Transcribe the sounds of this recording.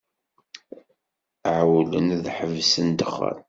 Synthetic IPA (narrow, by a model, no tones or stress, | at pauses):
ʕwlə̰nðħəvsənd̪əχːə̰l